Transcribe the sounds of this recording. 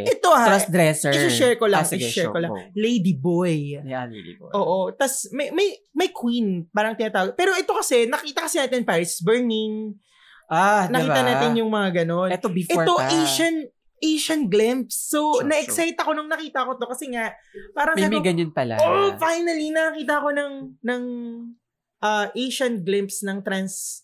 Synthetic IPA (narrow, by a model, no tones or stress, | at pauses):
ʔɛt̪ohaɾɐsd̪ɾɛsɛɪsʊʃɛɹkolaŋɪʃɛɹkolɐŋlejd̪ibojd̪ḭʔoːʔo̞t̪ɐsmɐjmɐj | mɐjkwinpaːɾɐŋt̪ɪnat̪aːɡopɛːɾo̞ʔɛt̪o̞kɐsɛnɐkiːt̪ɐkɐsɪnaːt̪ɪnpaːɾɪssbɛɹnɪŋ | anɐkit̪ɐnaːt̪ɪnjʊŋmɐŋaɡɐno̞nɛt̪obɪfɛt̪o̞ʔejʃɐn | ʔejʃɐnɡlɪmpsːonɐʔɛksajt̪ɐko̞nʊŋnɐkiːt̪ɐʔɐko̞t̪o̞kɐsɛŋaʔpaːɾɐŋmaːmiɡɐɲɐnpɐla̰oʔfajnɐlinɐɐkiːt̪ɐɐko̞nɐŋnɐŋ | ʔɐːʔejʃɐnɡlɪmpsnɐŋt̪ɾɐns